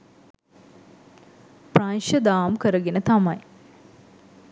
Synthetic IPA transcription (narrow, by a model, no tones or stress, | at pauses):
pranʃəd̪aːmkəɾəɡenət̪amɐj